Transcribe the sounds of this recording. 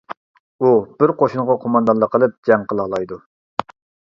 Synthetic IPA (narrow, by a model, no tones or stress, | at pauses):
ub̥ɪɾqoʃunʁɑqʰomɑnd̪ɑnlˠəqʰəlˠɨp̚d͡ʒɛŋqʰəlˠɑlˠɑjd̪u